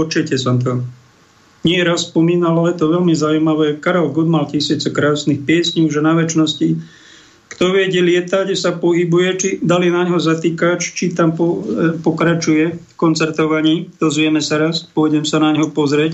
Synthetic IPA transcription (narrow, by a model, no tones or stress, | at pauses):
ɔt͡ʃɛcɛsamt̪̬ɔ | ɲɪɛɛɾasspɔmiːnalalɛjɛt̪ɔʋɛlmizaujmaʋɛːkaɾɛlɡɔd̪malcisit͡sɛkɾaɔsnixpɪɛsɲuʒɛnaʋɛt͡ʃnɔsci | kt̪ɔʋɪɛɟɛlɪɛt̪aɟɛsapɔɦibujɛt͡ʃid̪alinaɲɦɔzat̪iːkat͡ʃt͡ʃit̪ampɔpɔkɾat͡ʃujɛfkɔnt͡sɛɾt̪ɔʋaɲiːd̪ɔzʋɪɛmɛsaɾaspʊɔjɟɛmsanaɲɦɔpɔzɾɛc